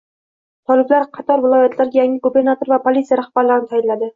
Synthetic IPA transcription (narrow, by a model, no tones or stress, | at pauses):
t̪ʰɒlɪblaɾqʰɑt̪ʰɒɾvɪlˠɒjat̪ʰlaɾɡʲajaŋʲɪɡobe̞ɾnat̪o̞ɾvapʰolʲit̪sijaɾaχb̥aɾlaɾɪnɪt̪ʰajɪnlːad̪ɪ